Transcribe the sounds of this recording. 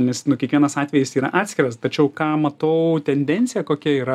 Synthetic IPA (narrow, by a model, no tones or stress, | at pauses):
nʲɛsnʊkʲiɛkʋʲiɛnɐsɑːt̪ʲʋʲɛjɪsiːɾɐ̰ʔɑːt̪ʲsʲkʲɪɾɐst̪ɐt͡ʃʲɛʊkɑːmɐt̪ɐʊt̪ʲɛnʲd̪ʲɛnʲt̪t͡s̪ʲsʲɪjɛkoːkʲɛiːɾɐ